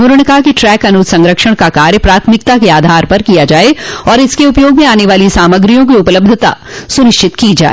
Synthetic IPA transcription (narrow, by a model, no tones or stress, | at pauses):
ʊɾəɳ̃kakiʈɾɛːkɐnud̪sɐ̃ŋɡɾəkʃəɽ̃kakaːɾjəpɾaːt̪ʰmɪk̚t̪akeaːd̪ʱaːɾpɐɾkijad͡ʒaːeɔːɾɪskeʊpjoːɡmẽaːneʋaːlisaːməɡɾijõk̬iʊpləb̚d̪ʱət̪a̰sʊnɪʃt͡ʃʰɪt̪kid͡ʒa̰ːeeː